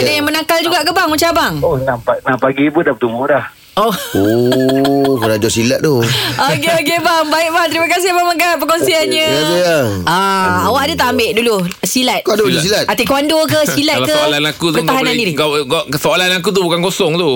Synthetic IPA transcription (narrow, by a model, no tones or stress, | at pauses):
adajaŋmənakald͡ʒuɡaʔkəbaŋut͡ʃabaŋohnapanapaɡipudapət̪umbʊdah | oo | kunadosilat̪̚t̪uok̬eok̬ebaŋbaɪʔ̚baŋt̪əɾimakas̬ɪhbaməɡapəkonsianɲəaɡəaaawaʔdət̪aʔambeʔdulusilat̪̚kanddus̬ilat̪̚at̪ikəwandok̬əsilat̪̚kəolanakut̪kəaɦannandiɾiɡɡʔkəsoolanak̬ut̪̬ubukankosɔŋt̪u